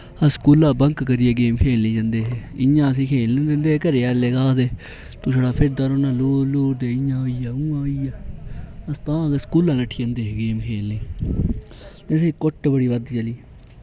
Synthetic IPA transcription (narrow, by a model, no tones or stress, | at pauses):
əskuːlãːbəŋkkəɾieːɡeːmkʰeːlːẽːd͡ʒãːnd̪eːɦɪjãːəs̬ĩːkʰeːlːd̪end̪eːkəɾeːaːleːkaːd̪eː | t̪õːʃəɽaːpʰɪɾd̪aɾoːnãːloːloːɾd̪eːɪjãːoiːaːũːãːoiːaːəst̪ãːeskuːlãːləʈʰːijə̃ːnd̪eːɡeːmkʰeːlːẽː | sẽːkʊʈːbəɽiːʋəd̪t͡ʃəliː